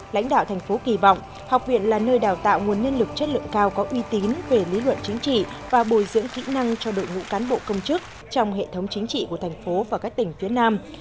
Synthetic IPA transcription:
la̰˧˥jŋ̟ɗa̰ː˧˨wt̪ʰɛ˨˩ŋ̟fo˨˦ki˨˩vɔ̰˧˨wŋ͡m | ha˨˩wk͡p̚vḭ˧˨ənlaː˨˩nəː˧jɗaː˨˩wt̪a̰ː˧˨wŋu˨˩ənːi˧ənlɨ˨˩k̚t͡ɕə˦˥t̚lɨ̰˧˨əŋkaː˧wkɔ˨˦ʔwi˧t̪i˨˦nve˨˩lḭ˨˦lwə̰˧˨nt͡ɕï˨˦ŋ̟t͡ɕḭ˧˨vaː˨˩ɓo˨˩jzɨ̰˧˥əŋkḭ˧˥na˧ŋt͡ɕɔ˧ɗo̰˧˨jŋṵ˧˥kaː˨˦nɓo̰˧˨kə˧wŋ͡mt͡ɕɨ˦˥k̚ | t͡ɕɔ˧wŋ͡mɦḛ˧˨t̪ʰə˨˦wŋ͡mt͡ɕi˨˦ŋ̟t͡ɕḭ˧˨ku˧˩ət̪ʰɛ˨˩ŋ̟fo˨˦vaː˨˩kaː˦˥k̚t̪ï˨˩ŋ̟fi˨˦ənaː˧m

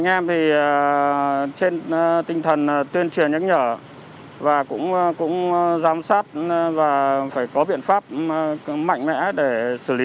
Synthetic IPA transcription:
ŋʔɛ˧mt̪ʰi˨˩˨ | t͡ɕe˧nt̪ï˧ŋt̪ʰə˨˩n˩t̪wi˧ənt͡ɕi˨˩ənɲə̰˧˥ŋɲəː˧˩ | vaː˨˩kʊ̰˧˥ŋ͡mkʊ̰˧˥ŋ͡mzaː˨˦msaː˦˥t̚vaː˨˩faː˧˩jkɔ˨˦ɓḭ˧˨ənfaː˦˥p̚ma̰˧˨jŋmɛ̰˧˥ɗe˧˩sɨ˧˩li˨˦

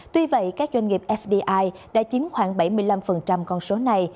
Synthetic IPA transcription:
t̪wi˧və̰˧˨jkaː˦˥k̚zwa˧ŋ̟ŋi˨˩p̚ʔɛ˦˥fɗi˧ʔaː˧jɗa̰ː˧˥t͡ɕi˨˦mxwaː˧˩ŋɓa˧˩jmɨ˧jla˧mfə˨˩nt͡ɕa˧mkɔ˧nso˨˦na˨˩j

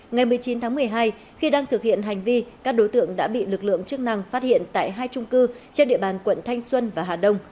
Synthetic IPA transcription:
ŋa˨˩jmɨ˨˩əjt͡ɕi˨˦nt̪ʰaː˨˦ŋmɨ˨˩əjɦaː˧j | xi˧ɗaː˧ŋt̪ʰɨ˨˩k̚hḭ˧˨ənɦa˨˩jŋ̟vi˧kaː˦˥k̚ɗo˨˦jt̪ɨ̰˧˨əŋɗa̰ː˧˥ɓḭ˧˨lɨ˨˩k̚lɨ̰˧˨əŋt͡ɕɨ˦˥ək̚na˧ŋfaː˦˥t̚hḭ˧˨ənt̪a̰ː˧˨jɦaː˧jt͡ɕʊ˧ŋ͡mkɨ˧ | t͡ɕe˧nɗḭ˧əɓaː˨˩nkwə̰˧˨nt̪ʰa˧jŋ̟swə˧nvaː˨˩ɦaː˨˩ɗə˧wŋ͡m

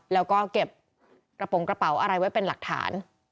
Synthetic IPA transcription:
lɛː˦˥wkɔː˥˩ke˨˩p̚ | kɾa˧po˨˩˦ŋkɾa˧pa˩˦wʔa˧ɾa˧jwa˥jpe˧nla˨˩k̚t̪ʰa̰ː˩˦n

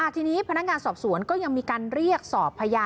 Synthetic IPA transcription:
a˨˩t̪ʰiː˧niː˦˥pʰa˧na˦˥k̚ŋaː˧nsɔː˨˩p̚su˨˩˦ənkɔː˥˩ja˧ŋmiː˧kaː˧nɾi˥˩ək̚sɔː˨˩pʰːa˧jaː˧

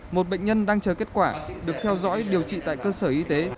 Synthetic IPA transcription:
mo˨˩t̚ɓə̰˧˨jŋ̟ɲə˧nɗaː˧ŋt͡ɕəː˨˩ke˦˥t̚kwaː˧˩ɗɨ˨˩ək̚t̪ʰɛ˧wzɔ̰˧˥jɗi˨˩əwt͡ɕḭ˧˨t̪a̰ː˧˨jkəː˧səː˧˩ʔi˧t̪e˨˦

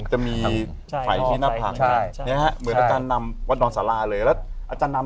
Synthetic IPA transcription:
t͡ɕa˨˩miː˧ | fa̰˨˩jt̪ʰiː˥˩na˦˥ppʰa̰˨˩kʰni˦˥ɐha˦˥mɯ˩˦naː˧t͡ɕaː˧nːa˧mwa˦˥t̪̚dɔː˧nsaː˩˦laː˧lɤː˧jlɛː˦˥ʔaː˧t͡ɕaː˧nːa˧

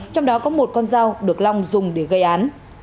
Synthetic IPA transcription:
t͡ɕɔ˧wŋ͡mɗɔ˨˦kɔ˨˦mo˨˩t̚kɔ˧nzaː˧wɗɨ˨˩ək̚la˧wŋ͡mzʊ˨˩ŋ͡mɗe˧˩ɣə˧jʔaː˨˦n

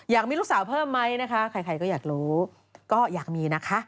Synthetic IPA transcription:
jaː˨˩k̚miː˧ɾuː˦˥saː˩˦wpʰɤː˥˩mːa˦˥jna˦˥kʰa˦˥kʰɾa˧jkʰa˧jkɔː˥˩jaː˨˩k̚ɾuː˦˥ | kɔː˥˩jaː˨˩k̚miː˧na˦˥kʰa˦˥ʔ

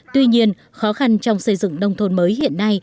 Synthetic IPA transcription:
t̪wi˧ɲi˧ən | xɔ˨˦xa˧nt͡ɕɔ˧wŋ͡msə˧˩jzɨ̰˧˨ŋɗə˧wŋ͡mt̪ʰo˧˩nməː˨˦jhḭ˧˨ənːa˧j

